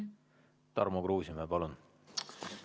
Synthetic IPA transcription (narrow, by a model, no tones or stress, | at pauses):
t̪ɑ̰rmokruːsimepɑlun